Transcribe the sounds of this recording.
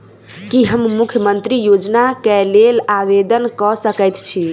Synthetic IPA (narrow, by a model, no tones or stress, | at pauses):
kiɦəmːukʰjəmənt̪ɾijod͡ʒnakelelaʋed̪ənkɔsəkəjt̪t͡ʃʰi